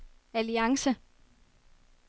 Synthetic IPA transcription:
æliɑ̈ŋsə

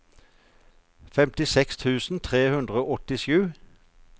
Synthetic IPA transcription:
fɛmt̪ɪsɛkst̪ʰʉːsn̩t̪ʰʁeːhʉnd̪ʁəoːʔɔt̪ɪʃjʉː

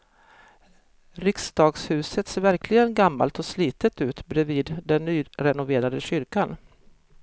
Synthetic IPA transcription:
ɾɪksd̪ɑːɡshʉ̟ːsət̪seːɾvæɾkʰlɪɡənɡamːa̰lt̪ɔsliːt̪ət̪ʉ̟ːt̪bɾɛviːd̪d̪ɛnːyːɾɛnʊveːɾad̪əɕʏɾkan

